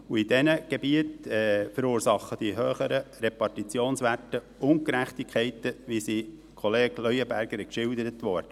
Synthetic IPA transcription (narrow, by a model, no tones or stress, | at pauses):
uid̥ɛnəɡ̥ebiətɛfəɾuːɾsɑχːəd̥iɦøːχəɾəɾepɑrtit͡sjoːnsʋætə | ʊnt̚kɾæχtikʰɛɪtːəʋisi | kʰoleːɡlœjəbæɾɡəɾkʃɪld̪əɾət̪ʋɔɾdə